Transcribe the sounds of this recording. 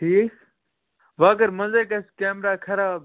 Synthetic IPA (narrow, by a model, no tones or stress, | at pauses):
ʈʰiːk | ʋaːɡəɾmɐzekɐskeːmɾaːkʰɐɾaː